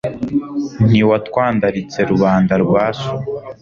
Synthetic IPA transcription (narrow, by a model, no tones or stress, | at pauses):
niwatwaːndaɾit͡se̞ɾuβaːndaɾɡwaːsu